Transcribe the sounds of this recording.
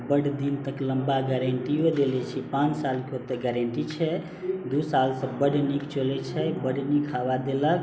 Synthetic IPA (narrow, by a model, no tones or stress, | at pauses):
bəɽd̪int̪əkləmbaɡɛɾeɳʈiod̪elɛt͡ʃʰipãnt͡ʃsalkeɦot̪ːəɡɛɾeɳʈit͡ʃʰɛ | d̪usalsə̃bəɖnikt͡ʃolɛt͡ʃʰɛbəɖnikʰabad̪elək